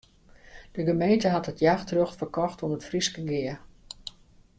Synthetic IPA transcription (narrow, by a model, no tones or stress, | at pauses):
d̥əɡəmejntəɦɑtɦətjaːxtrøxtfərkɔxtuənətfriskəɡɪə